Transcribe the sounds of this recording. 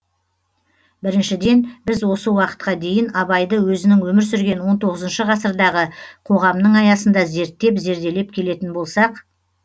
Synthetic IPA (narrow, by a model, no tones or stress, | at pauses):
bɪɾɪnʃɪd̪e̞nbɪzwo̞səwɑqə̥t̪̚qɑd̪e̞jɪnɑbɑjd̪əwɵzɪnɪŋwɵmɪɾsʏɾɡʲe̞nwo̞nt̪ʰo̞ʁəzənʃəʁɑsəɾd̪ɑʁəqʰo̞ʁɑmnəɴɑjɑsənd̪ɑze̞ɾt̪ːe̞pze̞ɾd̪e̞le̞p̚kʲʰe̞le̞t̪ɪnbo̞lˠsɑq